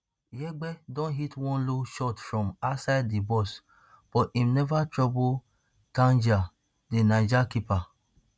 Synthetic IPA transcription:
jɛɡ͡bɛdɔ̃nɦitwɔ̃nloʃɔtfɹɔ̃masaɪdːibɔs | b̥ɔtĩmnɛvatɹɔbo | tãnd͡ʒa | denãd͡ʒakipa

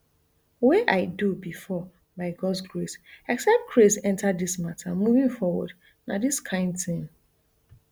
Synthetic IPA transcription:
weʔaɪdubifɔ | baɪɡɔdsɡɹesɛksɛp̚t̚kʰɹesɛ̃ntʰadːismatʰamuvĩŋfɔwɔ̰d | nadiskʰãɪ̃ndθĩn

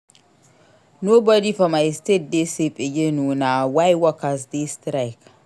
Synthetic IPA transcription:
nobɔdifɔmajstet̚desepʼejenuːnawajwɔkasdestɾajk

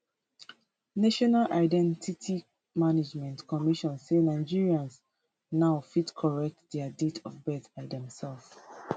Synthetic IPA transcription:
naʃɔnalʔaɪdɛ̃ntʰitʰi | maned͡ʒmɛ̃ntkʰɔmiʃɔ̃nsenaɪd͡ʒiɹiãns | naʊfitkʰɔɹɛk̚tðɛəditʰɔvbɛθbaɪdɛ̃msɛlf

